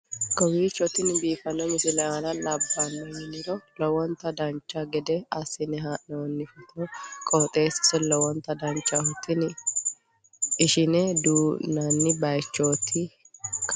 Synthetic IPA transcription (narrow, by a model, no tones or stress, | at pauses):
kɔwiːt͡ʃːɔt̪ːɪnbiːfɐnːɔmɪsɪlɛanɐlɐbːanːɔjɪnɪɾɔlɔwɔnt̪ːɐd̪ɐnt͡ʃːɐɡɛd̪ɛɐsːɪnɛɦaːʔnɛwɔnːɪfɛt̪nɔkʼɔt̪ʼeːsɪ̥sɛlɔwɔnt̪ːɐd̪ɐnt͡ʃːɐhʊt̪ːɪnɪ | ɪʃɪnɛd̪uːnɐnːɪbɐjt͡ʃːoːt̪ʰːɪ | k